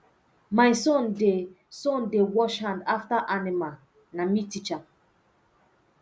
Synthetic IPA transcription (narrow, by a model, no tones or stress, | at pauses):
maɪsõnde | sõndewɔʃhãndaftaʔanimal | namitit͡ʃa